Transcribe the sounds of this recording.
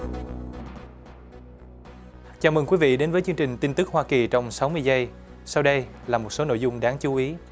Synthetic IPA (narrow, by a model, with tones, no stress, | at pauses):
t͡ɕaː˧˩mə˨˩ŋkwi˨˦vḭ˧˨ɗe˨˦nvəː˨˦jt͡ɕɨ˧ŋt͡ɕï˨˩ŋ̟t̪i˧nt̪ɨ˦˥k̚hwaː˧ki˨˩t͡ɕɔ˧wŋ͡msa˨˦wmɨ˧əjzə˧j | sa˧wɗə˧j | laː˨˩mo˨˩t̚so˨˦no̰˧˨jzʊ˧ŋ͡mɗaː˨˦ŋt͡ɕu˨˦ʔi˨˦